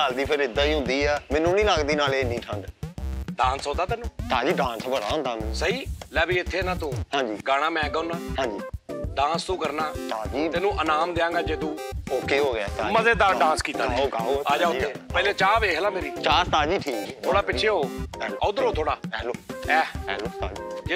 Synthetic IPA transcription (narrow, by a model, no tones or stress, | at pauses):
aːld̪iːpʰɪɾɪd̪ãːiːɦʊ̃nd̪iːɛːmɛ̃ːnːũːnĩːlaːɡd̪iːnaːleːnĩːʈʰəɳɖɖãːnsɦõːd̪aːt̪ɛːnũːt̪aːd͡ʒiːɖãːnsbəɾaːnd̪aːnsəɦiːlɛːbiːɪt̪ʰːeːnãːt̪ũːhãːd͡ʒiːɡaːɽ̃aːmɛ̃ːɡəʊnaːɦãːd͡ʒiːɖãːnst̪ũːkəɾnaːt̪ad͡ʒiːt̪ɛːnũːʔənaːmd̪eːãːŋɡaːd͡ʒeːt̪uːoːkeːɦoːɡaːt̪aməzeːd̪aɖãːnskiːt̪aːaoaːd͡ʒaːʊeːpɛːleːt͡ʃaːʋeːɦlaːmeːɾiːt͡ʃaːst̪aːd͡ʒiːʈʰiːkt̪ʰoːɽaːpɪt͡ʃʰeːɦoːɛəʊd̪əɾɦoːt̪ʰoːɽaːɛːloːɛːɛːloːt̪aːd͡ʒiːd͡ʒeː